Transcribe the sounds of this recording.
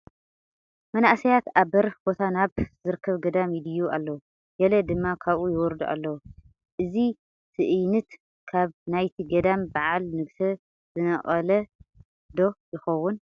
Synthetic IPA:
mɐnaʔsɐjat̪aβbɐɾhbo̞t̪ʰanaβzɨɾɨkʰːɐβɡɐd̪amjɪd̪ɨjualːɐw | ɡɐlɐd̪ɨmːakʰaβʔujɪwɔɾd̪uʔa̰lːɐw | ʔɨzi | sʰɨʔɨjnɨt̪ | kʰaβnajt̪ʰiɡɐd̪ambaʕalnɨɡsɐ | zɨnɐʔʼɐlɐ | d̪o̞jɪxɐwːun

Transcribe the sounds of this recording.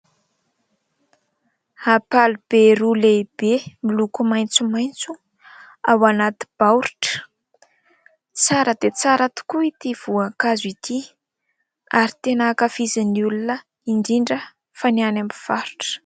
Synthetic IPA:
apalub̥eɾuleb̥emilukumajnt͡sumajnt͡su | awanat̪i̥b̥awɾiʈ͡ʂə̥ | t͡saɾəd̪̥et͡saɾat̪u̥kuit̪iv̥uakazit̪ʰi | aɾit̪enakəfiziniulunə | iɳɖ͡ʐiɳɖ͡ʐə | fanianambiv̥aɾuʈ͡ʂə̥

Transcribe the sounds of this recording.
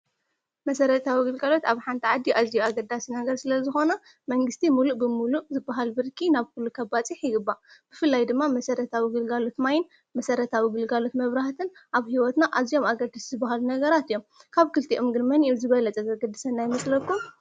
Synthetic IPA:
mɐsɐɾɐt̪ʰawiɡɨlɡalo̞t̪aβħant̪ʰiʕad̪ːiʔazijuaɡɐd̪asinɐɡɐɾsɨlɐzɨxo̞nɐ | mɐŋɡɨst̪ʰimuluʔbɨmuluʔzɨbːaɦalbɨɾkʰinaβkulːukʰɐbat͡sʼiħjɪɡɨbːab̥ɨfɨlːajd̪ɨmːamɐsɐɾɐt̪ʰawiɡɨlɡalo̞t̪majɪn | mɐsɐɾɐt̪ʰawiɡɨlɡalo̞t̪mɐβɾaht̪ʰɨnʔaβhiwɔt̪naʔazijo̞maɡɐd̪aszɨbːaɦalunɐɡɐɾat̪ɨjːomkʰaβkʰɨlt̪ʰiʔɨmɡɨɾmɐnʔizɨβɐlɐt͡sʼɐzɐɡɐd̪ːɨsɐnːajɪmɐsʼlɐkːum

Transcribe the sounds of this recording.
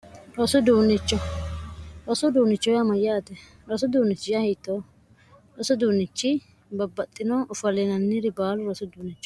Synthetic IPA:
ɾɔsʊd̪uːnɪt͡ʃːɔ | ɾɔsʊd̪uːnɪt͡ʃːɔjɐmɐjaːt̪ɛ | ɾɔsʊd̪uːnɪt͡ʃːɪjɐhɛjt̪ːo | ɾɔsʊd̪uːnːɪt͡ʃːɪ | bɐbːɐt̪ʼːɪnɔʔʊfɐlɛnɐnːɪɾɪbaːlʊɾɔsʊd̪uːnɪt͡ʃːɔ̥

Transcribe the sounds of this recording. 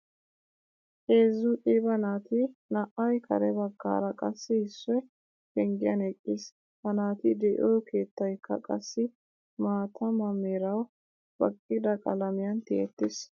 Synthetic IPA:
ʔeːzʊʔʼiːbɐnaːt̪ɪnɐʔɐjkʰɐ̰ɾɛbɐɡːa̰ːɾɐkʼɐsːɪhɪsːɔj | kɛŋɡɪjɐnɛkʼːɪs | hɐnaːt̪ɪd̪ɛʔoːkeːt̪ːɐjkːɐ̰kʼɐsːɪ | maːt̪ʰɐmɐmeɾɐw | b̥ɐkʼːɪd̪ɐkʼɐlɐmɪjɐnt̪ɪʔɛt̪ːɪs

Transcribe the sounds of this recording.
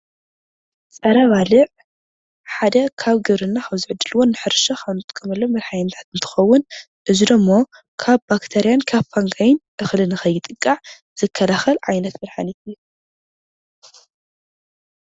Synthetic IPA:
t͡sʼɐɾaβalɨʕ | ħad̪ɐkʰaβɡɨβɾɨnːaxʰaβzɨʕɨd̪ɨlɨwonːɨħɨɾʃɐxanɨt̪ʼɨ̥kʼːɐmɐlːomɐɾħajɨnt̪ʰḁt̪ɨnt̪ʰɨ̥xɐwːʊn | ʔɨzid̪ɨmːo̞ | kʰaβbakt̪ʰeɾijankʰaβfaŋɡajɪnʔɨxlɨnɨxɐjːɪt̪ʼɨkʼːaʕ | z̥ɨkʰːɐlaxɐlʕajnɐt̪mɐɾħanit̪ɨjːu

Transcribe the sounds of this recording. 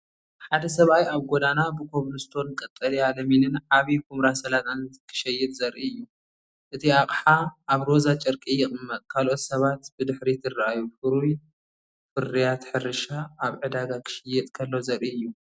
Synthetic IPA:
ħad̪ɐsɐβajaβɡod̪anabɨkʰo̞βlɨst̪ʰo̞nkʼɐt̪ʼːɐlialɐminɨnʕaβikʰumɾasɐlat̪ʼankʰɨ̥ʃɐjɛt̪ʼzɐɾʔiɨjːu | ʔɨt̪ʰiaqʼħaʔaβɾo̞zat͡ʃʼɐɾkʼijɪχʼɨmːɐt̪ʼkʰalʔo̞t̪sɐβat̪b̥ɨd̪ɨħɾit̪ʰɨraʔajufɨɾuj | fɨrijat̪ħɨɾɨʃaːβʕɨd̪aɡakʰɨ̥ʃɐjɛt̪ʼkʰɐlːo̞zɐɾʔiɨjːu

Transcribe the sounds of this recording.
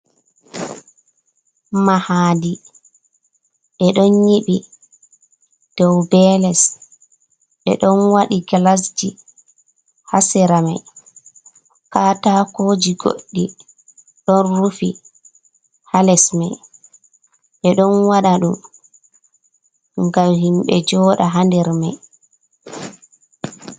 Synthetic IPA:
mahaːdi | ʔɛɗɔnjiɓi | d̥ɔwbɛːlɛs | ʔɛ̰ɗɔnwaɗiɡalas̬d͡ʒi | hasɛɾama̰j | kaːtakoːd͡ʒiɡo̰ɗːi | ɗɔnɾufḭ | halɛsmaj | ɓɛɗɔnwaɗaɗum | ŋɡamhimɓɛ̰d͡ʒɔːɗaɦandɛɾma̰j

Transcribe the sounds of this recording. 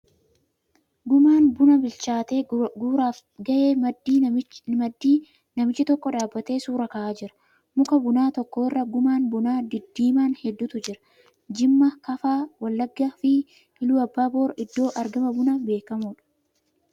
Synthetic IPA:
ɡʊmaːnbʊnɐbɪlt͡ʃaːt̪e̞ːɡuːɾaːf | ɡɐʔe̞ːmdiːmɐd̪ːiː | nɐmɪt͡ʃːɪt̪ɔkːɔᶑaːbːɐt̪e̞ːsuːɾɐkɐʔaːd͡ʒɪɾɐ̥ | mʊkɐbʊnaːt̪ɔkːo̞ːɪrːɐɡʊmaːnbʊnaːd̪ɪd̪ːiːmaːnhɛd̪ːʊt̪ʊd͡ʒɪɾɐ̥ | d͡ʒɪmːɐkɐfaːwɐlːɐɡːafɪ | ɪluːɐbːaːbo̞ːɾɪd̪ːo̞ːʔɐɾɡɐmɐbʊnɐbe̞ːkɐmuːᶑɐ̥

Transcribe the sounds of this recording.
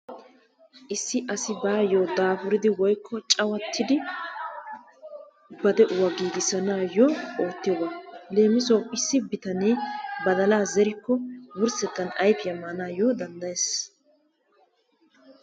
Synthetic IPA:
ʔɪsːɪʔɐsɪbaːjoːd̪aːfʊɾɪd̪ɪwɔjkːɔt͡ʃʼɐwɐt̪ʰːɪd̪ɪ | bɐd̪ɛʔʊwɐɡiːɡɪsɐnaːjoːo̞ːt̪ːɪjobɐle̞ːmɪsɔwɪsːɪbɪt̪ɐneːbɐd̪ɐlaːzɛɾɪkːɔwʊɾsɛt̪ːɐnɐjfjɐmːanaːjoːd̪ɐnd̪ɐjeːs

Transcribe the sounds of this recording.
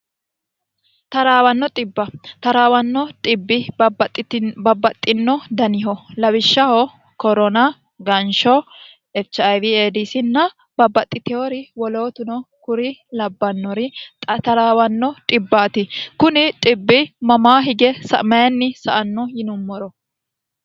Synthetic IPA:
t̪ɐɾaːwɐnːɔt̪ʼɪbːɐt̪ɐɾaːwɐnːɔt̪ʼɪbːɪt̪ʼːbɐbɐt̪ʼːɪnːɔd̪ɐnɪɦɔlɐwɪʃːɐhɔ | kɔɾɔnɐ | ɡɐnʃɔ | ɛft͡ʃɐjvieːd̪isɪnːɐ | bɐbːɐt̪ʼːɪt̪ɪjoɾɪwɔlo̞ːt̪ʊnɔkʊɾɪlɐbːɐnːɔɾɪt̪ɐɾaːwɐnːɔt̪ʼɪbːaːt̪ɪkʊnɪt̪ʼɪbːɪmɐmaːɦɪɡɛsɐ̰mɐɛnːɪsɐʔɐnːɔjɪnʊːɔɾɔ

